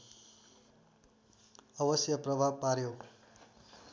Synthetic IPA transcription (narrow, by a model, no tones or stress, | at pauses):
ʌbʌsjʌprʌbʱab̚paɾjo